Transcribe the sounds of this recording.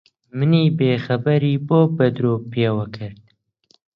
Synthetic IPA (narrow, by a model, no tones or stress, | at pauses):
mɨniːbeːxɐbɐɾiːboːbɐd̪ɾoːpʰeːwɐkʰɨɾd̪̥̚